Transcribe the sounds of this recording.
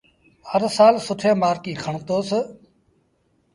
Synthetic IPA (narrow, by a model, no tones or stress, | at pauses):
həɾsaːlsʊʈʰẽːmaːɾkiːkʰəɳt̪oːsə